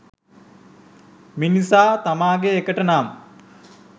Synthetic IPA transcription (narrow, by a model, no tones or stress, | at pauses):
minisaːt̪amaːɡeːkəʈənaːmə